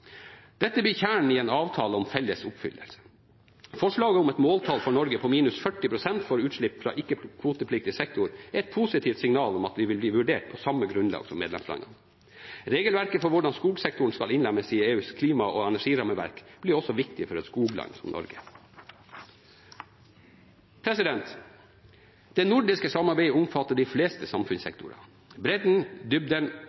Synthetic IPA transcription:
d̪̥ɛt̪ːəbyːçæːɳɳ̩iɛeːnɑːʋt̪ʰɑːləɔmfɛlːəsʊpfʏ̰lːə̰lə̥ | fɔʂɭɑːɡəʊmɛt̪moːlt̪ʰɑlfɔɳɔɾɡəpʰɔmiːnʉsfœʈːɪpʰɾʊsɛnt̪fɔɾʉːt̪ʂɭɪpːfɾɑ̰ːʔɪkːəkʰʋuːt̪əpʰlɪk̚t̪ɪsɛk̚t̪ʊɾɛɾɛt̪̚pʰusɪt̪ʰiːft̪sɪŋnɑːlʊmɑt̪ʋɪʋɪlbliːʋʉɖeːʈ̚pʰɔsɑmːəɡɾʉnlɑ̰ːɡsɔmeːd̪ɛ̰mslɑ̰nɑ̰nə | ɾeːɡəlʋæɾkəfɔɾʋʊɖɑnskuːɡsɛk̚t̪ʊɳ̩skɑlɪnlɛməsieːʉːskʰliːmɑʔoːɛnæʂiːɾɑːməʋæ̰ɾkb̥lɪɔsɔʋɪkt̪ɪfɔɾɛt̪skuːɡlɑ̰nsɔ̰mnɔ̰ɾɡə | pʰɾɛsɪd̪ɛnt̪ | d̪̥ɛnʊɖɪskəsɑmːɑɾbæɪəʊmfɑt̪ːəɖɪfleːst̪əsɑmfʉnsɛ̰k̚t̪ʊɾɑ̰ | bɾɛd̪n̩d̪ʏb̚d̪ən

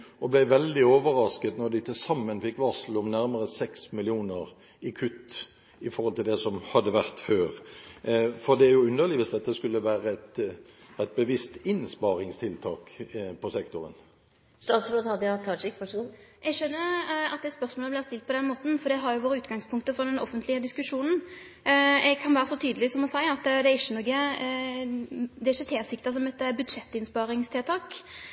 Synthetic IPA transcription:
ɔblæɪʋɛld̪ɪoːʋəɾɑskət̪nɔɾd̪ɪt̪ʰɪlsɑmːənfɪkːʋɑʁsəl̩ɔmnæɾməʁəsɛksmɪlɪuːnəʁ | ɪkʰʉt̪ː | ɪfɔɾʁhɔlt̪ʰɪld̪ɛsɔmhɑd̪ːəʋæʁt̪føːʁ | fɔd̪ɛæɾjʊʉnːəʁlɪʋɪsd̪ɛt̪ːəskʉlːəʋæːɾəæt̪æt̪̚bəʋɪst̪ɪnspɑːɾɪŋst̪ʰɪlt̪ʰɑːkpʰɔsɛkt̪ʊɾə̰n | st̪ɑt̪sɾot̪ɑd̪ɑt̪ʰɑːt͡ʃɪkʋɑʂuɛɡʃœnːəɑt̪̚d̪ɛt̪spœɾsmoːləblɪːʁst̪ɪlt̪̚pʰɔd̪ɛnmoːt̪n̩fɔɾd̪ɛɦɑɾjʊʋoːɾəʉːt̪ɡɑŋspʰʊŋkt̪əfɔd̪ɛnɔ̰fənt̪ʰlɪəd̪ɪskʉʂuːnn̩ | ɛɡkʰɑnʋæːɾəsɔt̪ʰyːd̪əlɪsɔmɔsæɪɑt̪ːd̪ɛɾɪçːənɔɡə | d̪ɛɾɪçːət̪ʰeːsɪkt̪əs̬ɔmɛt̪ːbʉd̪ʂɛt̪ːɪnspɑɾɪŋst̪ʰeːt̪ʰɑːk

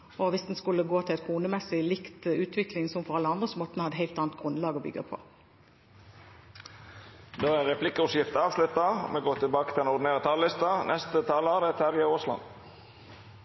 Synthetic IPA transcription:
ɔʋɪsd̪nskʉlːəɡoːt̪ʰɪlɛt̪kʰuːnəmɛsɪlɪkt̪ʉːt̪ʰʋɪklɪŋsɔmfɔʁɑlːəɑnd̪ʁəsɔmɔt̪nəhɑd̪ːəhæɪlt̪ɑːnt̪ɡʁʉnlɑːɡɔbʏ̰ɡɑpʰo̰ː | d̪oːæʁɛpʰlɪkəʊsjɪft̪ɑːʋslʉt̪ɑmeɡoːt̪ʰɪlbɑːkət̪ʰɪlɛnɔʁd̪neːʁət̪ʰɑllɪst̪ɑnʔɛst̪ət̪ʰɑːlɑːɾət̪ʰæɾjəoːslɑ̰n

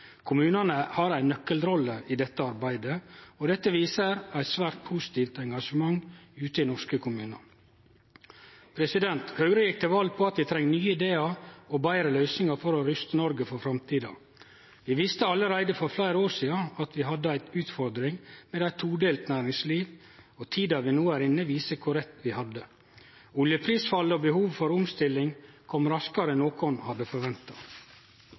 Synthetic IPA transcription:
kʰʊmʉːnɑnəhɑɾæɪnœkːəlɾɔlːəʔɪd̪ɛt̪ːəɑɾbæɪd̪əɔd̪ɛt̪ːəʋiːsəɾæɪt̪sʋæːɾt̪̚pʰusɪ̥t̪ʰiːft̪ɛŋɡɑʂəmɑŋʉːt̪əɪnɔʂkəkʰʊmʉːnɑ̰ | pʰɾɛsɪd̪ɛnt̪hɑʉɾəjɪk̚t̪ʰɛʋɑlpʰɔɑt̪̚d̪ɛɪt̪ʰɾɛŋːnyːəɪd̪eːɑɔbæɪɾəlœʏsnɪŋɑfɔɾɔɾʏst̪ənɔɾɡəfɔɾfɾɑmt̪ʰiːd̪ɑ̰ | ʋɪʋɪst̪əɑlːəɾæɪd̪əfɔɾflæɪɾoːsiːɑɑt̪ʋɪɦɑd̪ːəæɪt̪ʉːt̪fɔɾd̪ɾɪŋmɛd̪æɪt̪ʰuːɖ̪eːlt̪næːɾɪŋsliːʋ | ɔt̪ʰiːd̪ɑʋɪnuːæɾɪnːəʋiːsəkʰʊɾɛt̪ʋɪhɑd̪ə | ʊljəpʰɾiːsfɑləɔbəhuːʋfɔɾʊmst̪ɪlːɪŋkʰɔmɾɑskɑɾənoːkɔnhɑd̪əfɔɾʋɛnt̪ɑ

